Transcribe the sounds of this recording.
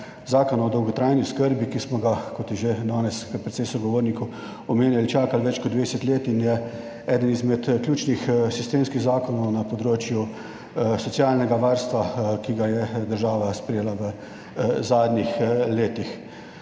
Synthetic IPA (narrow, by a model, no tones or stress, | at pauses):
zaːkɔnɔd̪ɔwɡɔt̪ɾajniskəɾbikismɔɡakɔt̪jɛʒed̪ɔːnɛskəpɾɛt̪sejsɔɡɔʋoːɾniku | ɔmeːnjalit͡ʃaːkalʋɛt͡ʃkɔd̪d̪ʋeːd̪ɛsət̪leːt̪injɛ | ɛːd̪ənizmɛt̪klʲjuːt͡ʃnixsist̪eːmskiɣzaːkɔnɔwnapɔd̪ɾoːt͡ʃju | sɔsjaːlnɛɡaʋaːɾst̪ʋakiɡajɛd̪əɾʒaːʋaspɾɛjeːlaʋə | zaːd̪nʲixleːt̪ix